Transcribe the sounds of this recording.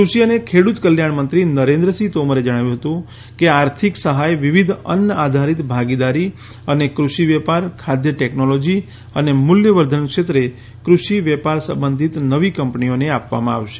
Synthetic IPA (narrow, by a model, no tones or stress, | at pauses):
kɾuʃiənekʰeɽut̪kəljaɳmənt̪ɾinəɾẽnd̪ɾəsit̪oməɾed͡ʒəɽ̃aʋjũɦət̪ũ | keaɾt̪ʰiksəɦajʋiʋid̪ʱə̰nəad̪ʱaɾit̪bʱaɡid̪aɾi | ənekɾuʃiʋɛpaɾkʰad̪jəʈɛknolod͡ʒi | ənemʊljəʋəɾd̪ʱənkʃet̪ɾe | kɾuʃiʋɛpaɾsə̰̃mbənd̪ʱit̪nəʋikə̃mpnioneapʋa̰mãa̰ʋʃe̥